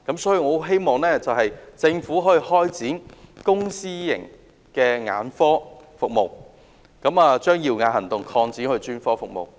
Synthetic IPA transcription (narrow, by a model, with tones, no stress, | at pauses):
kɐ˨˥msɔː˨˥ji˨˧ŋɔː˨˧˥ɦe˥jmɔː˨ŋlɛː˥t͡sɐ˨wɦɐ˨jt͡sɪ˧ŋfuː˨˥ɦɔː˨˥ji˨˩hɔː˥jt͡siː˨˥nkʊ˥ŋsiː˥jɪ̰˨˩ŋ | kɛː˧ŋa̰ː˨˥nfɔː˥fʊ˨k̚mo˨˩w | kɐ˨˥maː˨t͡ʃœː˥ŋjiː˧wŋaː˨˩ɦɐ˨˩nt̪ʊ˨ŋkʰɔː˧ŋt͡siː˨˥nhɵ˧ɥt͡ʃyː˥nfɔː˥fʊ˨k̚mo̰˨˩w